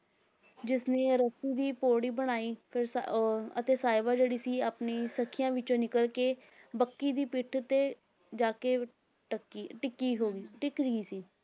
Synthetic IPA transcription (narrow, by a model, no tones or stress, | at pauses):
d͡ʒɪsneːɾəsiːd̪iːpoːɽiːbəɽ̃aːiːpʰɪɾsət̪eːsaːɪbaːd͡ʒeːɽiːsiːaːpniːsəkʰːɪjãːʋɪt͡ʃõːnɪkəlkeː | bəkːiːd̪iːpɪʈʰt̪eː | d͡ʒaːkeː | ʈəkiʈɪkːiːɦoːɡiːʈɪkd͡ʒɡiːsiː